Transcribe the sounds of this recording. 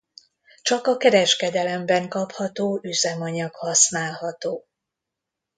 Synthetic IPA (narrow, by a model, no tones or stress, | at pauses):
t͡ʃɒkɒkɛɾɛʃkɛd̪ɛlɛmbɛŋkɒphɒt̪oːʔyzɛmɒɲɒkhɒsnaːlɦɒt̪oː